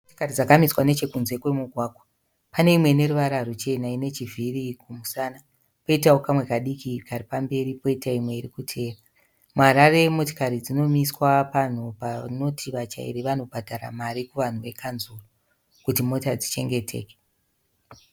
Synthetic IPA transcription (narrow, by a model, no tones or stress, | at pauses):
oto̥karid͡zakamiswane̞t͡ʃe̞kunze̞kwe̞muɡʱwaːkwo | pane̞imwe̞ne̞ruʋaɾarut͡ʃe̞naine̞t͡ʃivʱirikumusaːna | po̞itao̞kamwe̞kaɗikikaɾipambe̞ɾipo̞itaimwe̞iɾikutʰe̞ːra | muɦaɾare̞mo̞to̥kaɾid͡zino̞miswapan̤upano̞tʰiʋat͡ʃa̰ḭɾiʋano̞bʱadʱara̰maɾikuʋan̤uʋe̞kʰanzuro | kutimo̞tad͡zit͡ʃe̞ŋɡe̞tʰe̞̰ːke